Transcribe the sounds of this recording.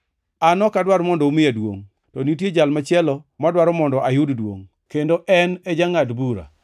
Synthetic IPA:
anɔkadwaɾmɔndɔumɪjadwo̰ŋ | tɔnitjed͡ʒalmat͡ʃjɛlɔmadwaɾɔmɔndɔʔajʊddwo̰ŋ | kendoʔɛnɛd͡ʒaŋadbuɾa̰

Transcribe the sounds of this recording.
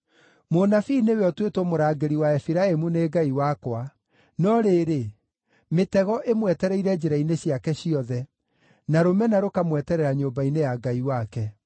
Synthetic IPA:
monafineweɔtwetwɔmoɾaːɡeɾiwaɛfiɾaemuneːɡaiwakwa | nɔɾeːɾe | metɛɣɔʔemwɛtɛɾɛiɾɛd͡ʑeɾaineɕjakɛɕiɔðɛ | naɾomɛnaɾokamwɛtɛɾɛɾaɲoːbainejaɡaiwakɛ

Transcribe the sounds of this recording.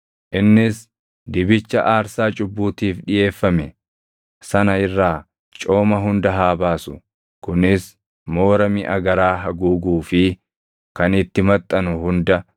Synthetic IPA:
ʔɪnːɪs | d̪ɪbɪt͡ʃːɐʔaːɾsaːt͡ʃʼʊbːuːt̪iːfᶑɪjʔe̞ːfːɐmɛ | sɐnɐɪrːaː | t͡ʃʼo̞ːmɐɦʊnd̪ɐɦaːbaːsʊ̥ | kʊnɪs | mo̞ːɾɐmɪʔɐɡɐɾaːɦɐɡuːɡuːfɪ | kɐnɪt̪ːɪmɐt̪ʼːɐnʊhʊnd̪ɐ

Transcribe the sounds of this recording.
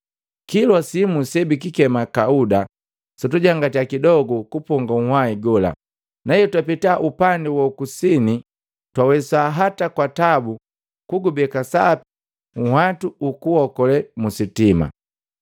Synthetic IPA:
kilwasimusɛbik̬ikɛmakauda | sɔtuɟaŋɡatiakidɔɡɔkupɔŋɡaŋ̩hwaiɡɔla̰ | najɛtwapitaʔupandɛwɔukusini | twawɛsaɦatakwatabu | kuɡubɛkasapi | ŋ̩hwatuukuhɔkɔlɛmusitima̰

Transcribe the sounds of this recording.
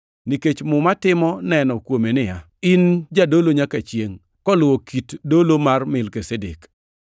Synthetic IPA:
niket͡ʃmʊmatɪmɔnɛnɔkwomenɪja | ɪnd͡ʒadoloɲakat͡ʃjeŋ | kɔlʊwokitdolomarmɪlkesedek

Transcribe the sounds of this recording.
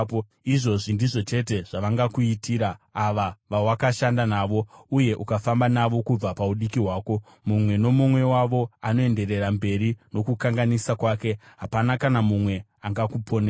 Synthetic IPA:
iʐo̞ʐindiʐo̞t͡ʃe̞te̞ʐ̥aʋaŋɡakuitʰiːɾaaʋaʋawakaʃandanaːʋo̞uje̞ʔukafambanaʋo̞kub͡vapauɗikiɦwaːko̞ | mumwe̞no̞mumwe̞waʋo̞ano̞e̞nde̞ɾe̞rambe̞ɾino̞kukaŋɡanisakwaːke̞ɦapanakanamumwe̞aŋɡakupʰo̞ne

